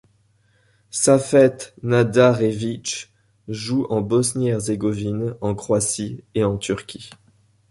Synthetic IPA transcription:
safɛt̪nad̪aʁevit͡ʃ | ʒuʔɑ̃bɔsnɛʁzeɡɔvinɑ̃kχwasieɑ̃t̪ʰyʁkʲi

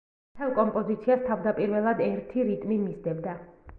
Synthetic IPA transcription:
t̪ʰɛlˠkʼɔmpʼɔzit̪sʰiast̪ʰavd̪apʼiɾvɛlˠad̪ɛɾt̪ʰiɾit̪ʼmimizd̪ɛbd̪a

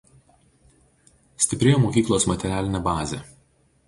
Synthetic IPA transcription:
sʲt̪ʲɪpʲɾʲejomoːkʲiːklˠoːsmɐt̪ʲɛɾʲæːlʲɪnʲɛbɑːzʲeˑ

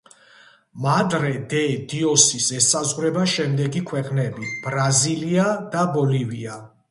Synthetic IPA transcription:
mad̪ɾɛd̪ɛd̪iɔsisɛsazʁɾɛbaʃɛmd̪ɛɡikʰwɛqʼnɛbib̥ɾaziliad̪abɔlivia

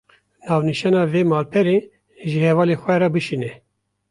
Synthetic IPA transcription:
nɑːvniʃɑːnɑːveːmɑːlpʰɛɾe | ʒɨhɛvɑːlexʷɛɾɑbɨʃiːnɛ

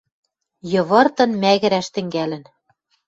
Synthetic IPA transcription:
jɤ̆βɤ̆rt̪ɤ̆nmæɣɘ̆ɾæʃt̪ɘ̆ŋɡælɘ̆n

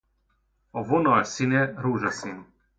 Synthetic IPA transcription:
ɔvɔnɔasinɛɾuʒasin

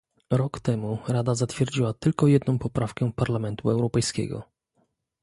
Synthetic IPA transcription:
ɾɔkt̪ɛmuɾad̪azat̪fʲjɛɾd͡ʑiwat̪ɘlkɔjɛd̪nɔ̃w̃pɔpɾafkɛpaɾlamɛnt̪uɛwɾɔpɛjskʲɛ̰ɡɔ̰

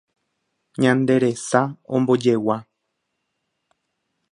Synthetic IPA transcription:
ɲãnd̪e̞ɾesaõ̰mbo̞d͡ʒe̞wa

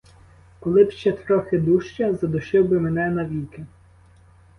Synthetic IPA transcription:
kɔlˠɪbʃt͡ʃɛt̪ɾɔxɪd̪uʃt͡ʃɐzɐd̪ʊʃɪwbɪmenɛnɐʋʲijkɪ

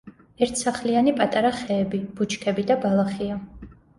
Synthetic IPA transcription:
ɛɾt̪ʰsaχlianipʼat̪ʼaɾaχɛːbib̥ut͡ʃʰkʰɛbid̪abalˠaχia

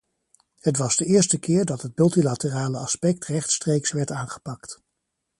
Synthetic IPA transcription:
hətʋɑzdəɪːɹstəkɪːɹdɑtɦət̚mɵlˠtilatəraːləɑspɛk̚trɛχtstrejksʋɛɹtaːnχə̥pɑkt

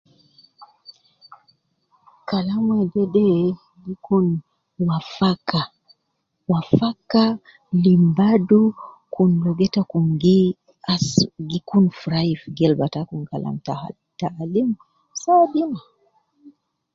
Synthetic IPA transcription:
kalamwɛd͡ʒɛdɛ | ɡikun | wafaka | wafaka | limbadu | kunlɔɡɛtakuŋɡi | aɡikunfuɾaifɡɛlbatakuŋka̰lʔa̰mta | taːlim | saaɗina

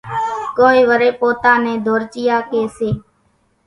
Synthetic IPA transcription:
koːiːʋəɾeːpoːt̪aːneːd̪ʱoːɾt͡ʃɪjaːkeːseː

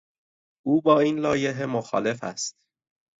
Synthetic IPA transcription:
ʔuːbɒːiːnlɒːje̞ɦemoxɒ̰ːle̞fæ̰st̪̚

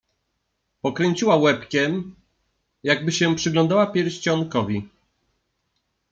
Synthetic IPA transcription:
pɔkɾɛɲt͡ɕiwawɛpkʲɛm | jaɡ̚bɘɕɛpʂɘɡlɔ̃nd̪awapʲjɛɾɕt͡ɕɔnkɔvʲi

